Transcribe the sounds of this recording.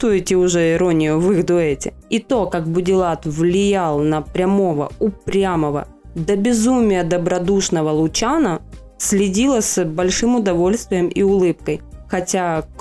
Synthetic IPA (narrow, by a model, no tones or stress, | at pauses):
t̪uɪtʲɪʊʐɛɪɾo̞nʲɪjʊvɨɣd̪ʊɛtʲɪ̰ | it̪o̞kak̚bʊdʲɪlˠat̪vlʲɪjalˠnəpɾʲɐmo̞və̰ʊpɾʲaməvə̰ | d̪əbʲɪzumʲɪjəd̪əbɾɐd̪uʂnəvəlˠʊt͡ɕanə | sʲlʲɪdʲilˠəsbɐlʲʂɨmʊd̪ɐvo̞lʲst̪vʲɪjəmʔiʊlˠɨp̚kəjxɐtʲak